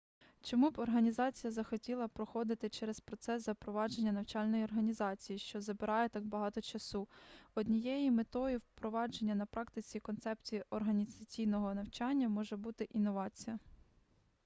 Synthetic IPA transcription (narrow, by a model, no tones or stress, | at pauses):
t͡ʃɔmubɔrɦɐnʲizɑt͡sʲijɐzɐxɔtʲilˠɐpɾɔxɔd̪ɪt̪ɪt͡ʃɛɾɛspɾɔt̪sɛszɐpɾɔʋɑd͡ʒe̞nʲːɐnɐwt͡ʃɑlʲnɔjiɔrɦɐnʲizɑt͡sʲijiʃt͡ʃɔzɐbɪɾɑjɛt̪ɑɡbɐɦɑt̪ɔt͡ʃɐsuɔd̪ʲnʲijɛjimet̪ɔjiwpɾɔʋɑd͡ʒe̞nʲːɐnɐpɾɑkt̪ɪt͡sʲikɔnt̪sɛpt͡sʲijiʔɔrɦɐnʲizɐt͡sʲijnɔɦɔnɐwt͡ʃɑnʲːɐmɔʒɛbut̪ɪʔinːɔʋɑt͡sʲijɐ